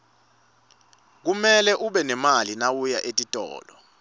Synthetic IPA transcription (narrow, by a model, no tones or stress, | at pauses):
k̬umɛlɛʔuɓɛnɛmalinawujaʔetʼitʼɔ̰ːlɔ